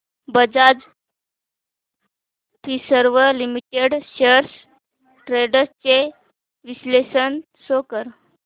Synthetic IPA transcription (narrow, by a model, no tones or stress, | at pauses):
bəd͡zad͡z | t̪isəɾʋəlimiʈeɽɕəɾs | ʈɾeɽəɾt͡se | ʋislesən | sokəɾ